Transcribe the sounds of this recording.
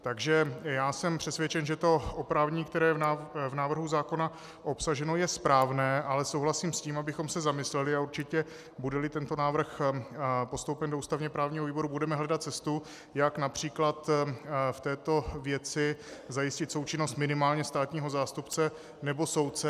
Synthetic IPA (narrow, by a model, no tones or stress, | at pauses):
t̪aɡʒɛjaːsɛmpr̝̥ɛsvjɛt͡ʃɛnʒɛt̪o̞ʔopɾaːvɲiːkt̪ɛɾɛːjɛvnaːvr̩ɦuzaːko̞na | ʔo̞psaʒɛno̞jɛspɾaːvnɛːʔalɛso̞wɦlasiːmsciːmabɪxo̞msɛzamɪslɛlɪauɾt͡ʃɪcɛ | budɛlɪt̪ɛnt̪o̞naːvr̩x | po̞st̪o̞wpɛndouːst̪avɲɛpɾaːvɲiːɦoviːbo̞ɾubudɛmɛɦlɛdat̪̚t͡sɛst̪u | jaknapr̝̥iːklat̪ft̪ɛːt̪o̞vjɛt͡sɪzajɪscɪt̪so̞wt͡ʃɪno̞st̪mɪnɪmaːlɲɛst̪aːt̪ɲiːɦo̞zaːst̪upt͡sɛ | nɛbo̞so̞wt̪̚t͡sɛ